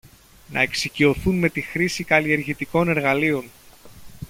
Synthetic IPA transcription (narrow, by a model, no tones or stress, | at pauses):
nɐ̰e̞ksicio̞θunme̞t̪ixɾisikɐlie̞ɾʝit̪iko̞ne̞ɾɣɐlio̞n